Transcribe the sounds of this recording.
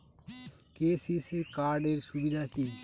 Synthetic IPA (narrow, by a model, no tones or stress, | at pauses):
keːsisikaːɾɖeɾsubid̪ʱaki